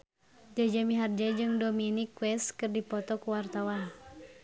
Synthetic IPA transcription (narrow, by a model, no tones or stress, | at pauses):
d͡ʒad͡ʒamiɦard͡ʒad͡ʒɨŋdominikwɛskɨrdipɔt̪ɔkuwart̪awa